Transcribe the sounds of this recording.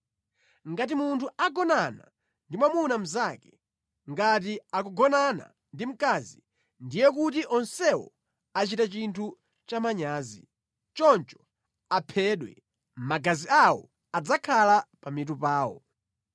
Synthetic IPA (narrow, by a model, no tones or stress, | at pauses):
ŋɡatimuntʰuaɡɔnana̰ | ndimwamunam̩zakɛ̥ | ŋɡat̬iakuɡɔnana̰ | ndim̩kaːzi | ndijɛk̬utiʔɔnsɛwɔ̰ | at͡ʃitat͡ʃintʰu | t͡ʃamaɲaːzi | t͡ʃɔnt͡ʃɔ̥ | apʰɛːɗwɛ̰ | maɡaziawɔ̰ | ad͡zakʰalapamitupaːwɔ̰